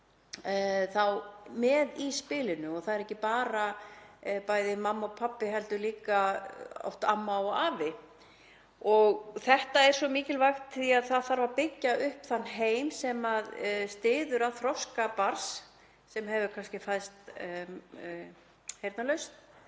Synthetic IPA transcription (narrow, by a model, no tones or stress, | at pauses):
θawmɛðispɪːlɪnʏɔɣθaðɛɾɛhcːɪpaːɾa | pajðɪmamːɔɣpʰapːɪɦɛlt̪ʏliːkaɔ̰ht̪amːaɔɣaːvɪ | ɔɣθɛht̪aɛɾ̥sɔmiːcɪlvaxt̪ʰθiaðθaðθaɾvaɾpɪcːaʏhpθanːɦeːjmsɛmaðst̪ɪːðʏɾaðθɾɔskapaɾ̥s | sɛmhɛvʏkʰanscɪfajðst̪ | hejɾt̪nalœɥst̪